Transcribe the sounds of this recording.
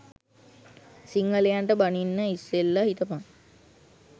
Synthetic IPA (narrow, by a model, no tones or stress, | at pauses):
siŋɡəlejaɳʈəbaninːəiselːaɦit̪əpaŋ